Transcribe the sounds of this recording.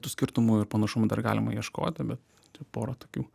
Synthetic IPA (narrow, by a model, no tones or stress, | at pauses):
t̪uːsʲkʲɪɾt̪ʊmuːɪrpɐnɐʃʊmʊd̪ɐ̰rɡɑ̰ːlʲɪ̰mɐ̰jiɛʃko̰ːt̪ʲɪbʲɛt̪ | t͡ʃʲɛpoːɾɐt̪oːkʲuː